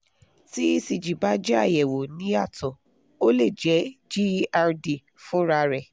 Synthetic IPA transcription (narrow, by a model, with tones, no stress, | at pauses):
ti˦i˦si˧˨d͡ʒi˨ba˨˦d͡ʒɛ˦a˦˨jɛ˨wo˨nĩ˨˦a˦˨tʰɔ̃˨ | o˦le˦˨d͡ʒɛ˨˦d͡ʒi˦a˧ɾdi˨ | fũ˦ɾa˧ɾɛ˨